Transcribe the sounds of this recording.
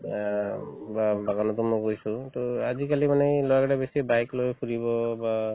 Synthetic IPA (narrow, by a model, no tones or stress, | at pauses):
babaɡanɔt̪ɔmnɔkojsũt̪ɔazikalimanɛlɔjakaɾabesibajklojkʰuɹiβɔba